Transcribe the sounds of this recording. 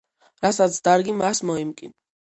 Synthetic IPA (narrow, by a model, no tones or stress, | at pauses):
ɾasat̪sʰd̪aɾɡimasmɔimkʼḭn